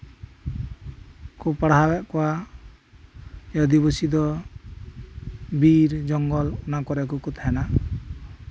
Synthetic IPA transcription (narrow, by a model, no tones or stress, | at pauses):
kupaɽabaʔkɔa | jɔd̪ibɔsid̪ɔ | biɾd͡ʒɔŋɡɔlunakɔɾɛk̬ukut̪ʰaɛna